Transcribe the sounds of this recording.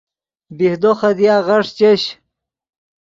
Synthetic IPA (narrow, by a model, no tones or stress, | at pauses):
bihd̪oχɐd̪ijaːʁɐʂt͡ɕeɕ